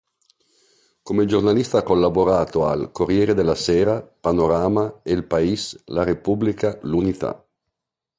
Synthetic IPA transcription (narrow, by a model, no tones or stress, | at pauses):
komed͡ʒornalist̪aakːolːaboɾaːt̪oa̰lkorjɛːɾed̪elːasɛːɾapanoɾaːmaelpaislaɾepublikalunit̪a̰